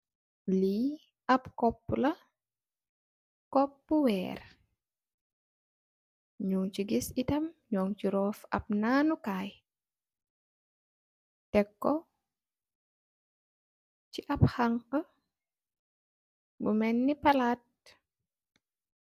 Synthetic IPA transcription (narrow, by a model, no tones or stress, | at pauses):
liː | ɐpkɔpːulɐ | kɔpːuwɛːr | ɲuŋt͡ʃiɡisitɐmɲɔːŋt͡ʃiɾɔːfɐ̰p̚naːnukaːj | tɛkːɔ | t͡ʃiʔɐphaŋqə | bumɛnːipɐlaːt̚